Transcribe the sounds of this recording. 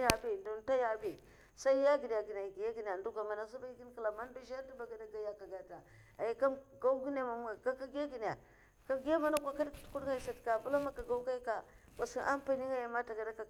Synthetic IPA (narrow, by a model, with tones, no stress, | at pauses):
ja˨bi˦˨do˨n˦ta˦ja˨bi˨ | sa˦i˦ja˦ɡi˨n˨ja˨ɡi˨n˨a˨ɡi˨ja˦ɡi˨n˨a˨ndu˦ɡʷa˨ma˨na˨zi˦ba˦i˦ɡi˦nka˨la˨ma˦n˦du˦ʒa˦ɾdi˦ba˨ɡa˨da˦ɡa˦ja˨ka˨ɡa˨ta˨ | a˨ja˨ka˦mɡa˦u˦ɡi˦na˦ma˨m˦a˨ɡa˦ka˦ɡa˦ɡi˨n˨a˨ | ka˦ɡa˦ma˦na˦kʷa˨ka˦dktu̥˨˦ku˦dŋa˦i˨sa˨tka˨bu˦la˦ma˦ka˨ɡa˦u˦ka˦i˦ka˨kʷa˨si˦ʔa˦mpa˦ni˦ŋa˦ja˨ma˦ta˨ɡa˨da˦ka˨